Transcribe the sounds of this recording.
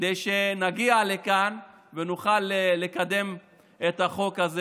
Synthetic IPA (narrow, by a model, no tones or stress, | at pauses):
d̪ejʃe̞naɡiale̞kan | venuχaleːe̞kad̪e̞m | et̪aχo̞kaze